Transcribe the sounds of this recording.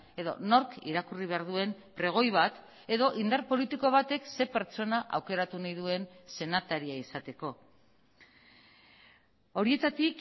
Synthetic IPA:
e̞ðo̞̰no̞ɾkḭɾakuriβ̞e̞aɾðue̞mpɾe̞ɣ̞o̞jβ̞at̪ | e̞ðo̞ʔind̪aɾpo̞lit̪iko̞β̞at̪e̞kse̞pe̞ɾt͡ʃo̞naʔa̰wke̞ɾat̪unajðue̞nse̞nat̪aɾiaisat̪e̞ko̞ | o̞ɾie̞t̪at̪ik

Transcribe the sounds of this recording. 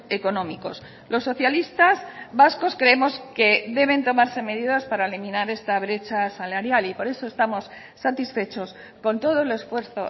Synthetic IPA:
e̞ko̞nõmiko̞̰s | lo̞sːo̞θjalist̪azβasko̞skɾeemo̞ske̞ðe̞β̞e̞nt̪o̞maɾse̞me̞ð̞iðaspaɾaelimĩnaɾe̞st̪aβ̞ɾe̞t͡ʃasalaɾjalipo̞ɾe̞so̞e̞st̪amo̞sː | at̪isfe̞t͡ʃo̞s | ko̞nt̪o̞ð̞ole̞sfwe̞ɾθo̞̰

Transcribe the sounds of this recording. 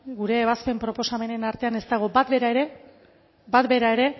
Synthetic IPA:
ɡuɾe̞ːβaspe̞mpɾo̞po̞same̞ne̞naɾt̪e̞ane̞st̪aɣ̞o̞bat̪beɾaeɾe | bat̪be̞ɾaeɾe̞

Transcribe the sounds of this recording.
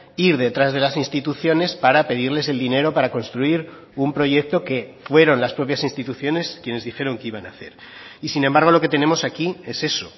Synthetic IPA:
iɾðe̞t̪ɾazð̞e̞lasinst̪it̪uθjo̞ne̞spaɾape̞ð̞iɾle̞se̞ld̪ine̞ɾo̞paɾako̞nst̪ɾuiɾ | umpɾo̞ʝe̞k̚t̪o̞ke̞fwe̞ɾo̞nlaspɾo̞pjasinst̪it̪uθjo̞ne̞skje̞ne̞zðixe̞ɾo̞ŋkeiβanaθe̞̰ɾ | isine̞mbaɾɣ̞o̞lo̞ke̞t̪e̞ne̞mo̞sakie̞se̞so̞

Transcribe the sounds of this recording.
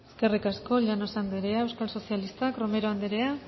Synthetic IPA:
ske̞rikasko̞ʎano̞sand̪eɾeae̞wskalso̞sialist̪akɾo̞me̞ɾoand̪eɾea

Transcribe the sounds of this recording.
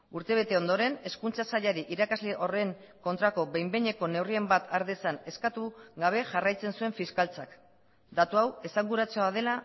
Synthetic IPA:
uɾt̪e̞β̞e̞t̪e̞o̞nd̪o̞ɾe̞ne̞skunt͡sasaʎaɾiʔiɾakazle̞ʔo̞re̞ŋ | ko̞nt̪ɾako̞βe̞jmbeɲe̞ko̞ne̞wrie̞mbat̪ʰaɾðesane̞skat̪uɡaβ̞e̞ʝarajt͡se̞nsue̞ɱfiskalt͡sak | d̪at̪uawe̞saŋɡuɾat͡seað̞e̞la

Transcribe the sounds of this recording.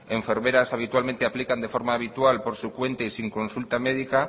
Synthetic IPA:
eɱfeɾmeɾasaβ̞it̪walmẽnt̪eaplikand̪efoɾmaːβ̞it̪ualpoɾsukwe̞nt̪eisiŋkõ̞nsult̪ameð̞ika

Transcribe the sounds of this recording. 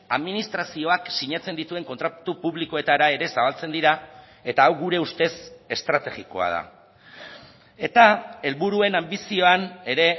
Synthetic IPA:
aðminist̪ɾasio̞aksiɲat͡se̞nd̪it̪ue̞ŋko̞nt̪ɾat̪upuβliko̞e̞t̪aɾae̞ɾe̞saβ̞alt͡se̞nd̪iɾa | e̞t̪aːwɣuɾe̞ust̪e̞se̞st̪ɾat̪e̞ɣiko̞̰a̰ð̞a̰ | e̞t̪ae̞lβuɾue̞nambisio̞ane̞ɾe̞

